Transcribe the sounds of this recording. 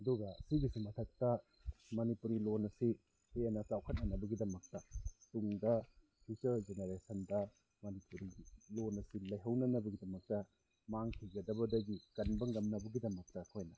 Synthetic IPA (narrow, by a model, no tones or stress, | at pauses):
ɐduɡɐsiɡisimɐtʰɐk̚tɐ | mɐnipuɾilonɐsi | henɐkawkʰɐt̚nɐnɐbɐɡidɐmɐk̚tɐtuŋdɐ | pʰitɐɾd͡ʒeneɾesɐndɐ | mɐnipuɾilonɐsilɐjɦɐwnɐnɐbɐɡidɐmɐk̚tɐ | maŋkʰiɡɐdɐβɐdɐɡikɐnbɐŋɐmnɐbɐɡidɐmɐk̚tɐɐkʰojnɐ